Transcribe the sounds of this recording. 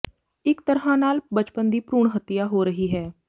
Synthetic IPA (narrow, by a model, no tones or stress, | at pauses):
ɪkt̪əɾɦãːnaːlbət͡ʃpənd̪iːpɾuːɳɦət̪ɪjaːɦoːɾəɦiːɦɛː